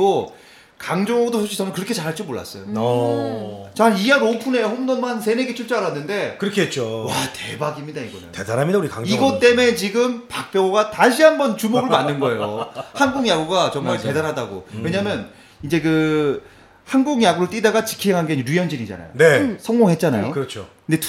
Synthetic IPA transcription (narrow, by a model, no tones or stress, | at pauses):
o | kaŋd͡ʑoŋdosʰoɕʰisʰʌmɯnkɯɾʌkʰet͡ɕaɾɦaɭt͡ɕ͈imoɭːa̰s͈ʌjo | t͡ɕaɭijʌɾopʰune̞ɸomdʌnmans̬ʰe̞neɡet͡ɕʰoɭt͡ɕ͈aɯɭɦanːɯnde̞kɯɾʌkʰieɦet̚t͡ɕ͈owate̞baɡimɲidaiɡʌnɯ̰ntedanɦamidauɾikaŋiɡʌt͈e̞me̞t͡ɕiɡɯmpak̚p͈jʌɡoɡataɕʰiɦambʌnt͡ɕumoɡɯɭmanːɯnɡʌe̞johanɡuŋjaɡuɡat͡ɕʌŋmaɭte̞danɦadaɡo̰we̞ɲamjʌn | id͡ʑe̞kɯ | hanɡuŋjaɡuɾoɭt͈idaɡat͡ɕi̥kʰiɦeŋɦanɡeid͡ʑɾujʌnd͡ʑinid͡ʑa̰na̰jo̰nesʰʌŋɡoŋɦe̞t̚t͡ɕ͈ana̰jo̰kɯɾʌt͡ɕʰo | nde